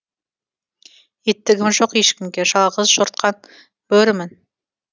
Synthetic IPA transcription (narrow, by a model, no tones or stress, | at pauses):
et̪ːɪɡʲɪmʒoqeʃkʲɪmɡʲeʒɑlˠʁəzʒoɾt̪̚qʰɑn | b̥ɵɾmɪn